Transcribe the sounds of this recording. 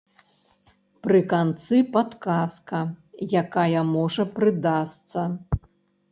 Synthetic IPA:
pɾɨkant̪sɨpat̪kaskɐjakajɐmɔʐɐpɾɨd̪ast̪sɐ

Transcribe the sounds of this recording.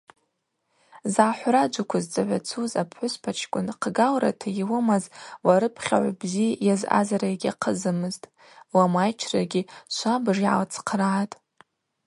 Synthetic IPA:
zaːħʷrad͡ʒʷakʷʰazt͡sʼaʕʷat͡sʰuzapʰħʷʊspʰat͡ʃʰkʷʼʊnqʰɡalra̰tʰajiwɨmazwaɾɨpʰχʲa̰ʕʷbzijaza̰zaɾaɡʲaqʰəzɨmɨztʼ | wamajt͡ʃʰraɡʲiʃʷʰabʐiʕa̰lt͡sʰqʰraːtʼ

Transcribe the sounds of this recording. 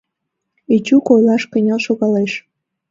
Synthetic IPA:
it͡ɕukojlɑʃkə̆nʲɑlʃoɣɑleʃ

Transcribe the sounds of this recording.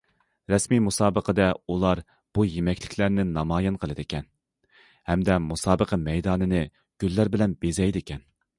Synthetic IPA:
ɾɛsmimusɑːbəqəd̪ɛulˠɑɾ | b̥ujemɛkʲʰlɪkʲʰlæɾnɪnɑmɑːjɪnqʰəlˠɨd̪ɪkʲʰɛn | hɛmd̪ɛmusɑːbəqʰɑmɛjd̪ɑːnɨnɪ | ɡ̥ʲylːæɾbɪlɛnbezɛjd̪ɪkʲʰɛn

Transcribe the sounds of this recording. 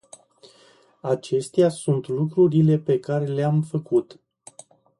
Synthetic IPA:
at͡ʃe̞st̪easunt̪lukɾuɾile̞pe̞kaɾe̞leamfəkut̪

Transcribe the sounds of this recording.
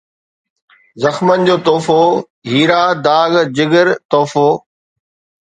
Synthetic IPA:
zɐxmənɪ̆d͡ʑoːt̪ɔːfo | ɦiːɾaːd̪aːɡd͡ʑɪɡəɾt̪ɔːfoː

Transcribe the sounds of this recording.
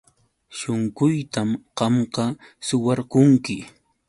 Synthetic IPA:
ʃʊŋɢʊjt̪amɢɑmqɑ | sʊwaɾkʊŋkɪ

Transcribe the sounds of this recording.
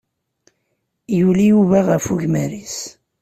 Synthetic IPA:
julijuvaʁəfuʝmæɾis

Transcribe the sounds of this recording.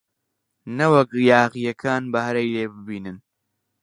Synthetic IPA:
nɐwɐkjaːɣijɐkʰaːnbɐɦɐɾɐjleːbɪbiːnɨn

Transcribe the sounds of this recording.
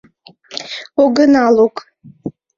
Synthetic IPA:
oɡɨnalokʼ

